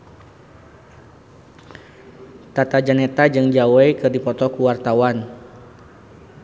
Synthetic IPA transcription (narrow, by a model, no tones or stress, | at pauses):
t̪at̪ad͡ʒanet̪ad͡ʒɨŋd͡ʒawejkɨrdipɔt̪ɔkuwart̪awan